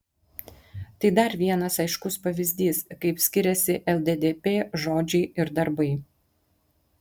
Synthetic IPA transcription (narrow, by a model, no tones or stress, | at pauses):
t̪ɐɪd̪ɐɾʋʲiɛnɐsɐɪʃkʊspɐʋʲɪzʲd̪ʲiːskɐɪpsʲkʲɪɾʲɛsʲɪʔɛlˠd̪ʲed̪ʲeːpʲeːʒoːd͡ʒʲɛɪɪɾd̪ɐɾbɐɪ